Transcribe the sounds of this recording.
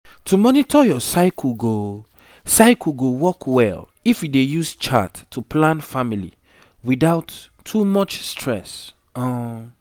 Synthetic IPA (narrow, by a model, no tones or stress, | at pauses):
tʰumɔnitʰɔjɔsaɪkʰl̩ɡo | saɪkʰulɡowɔkʰwɛ̰l | ifjudejust͡ʃa̰tʰːuplãnfamilḭ | widaʊtʰː | umɔt͡ʃstʰɹɛs | ɔ̃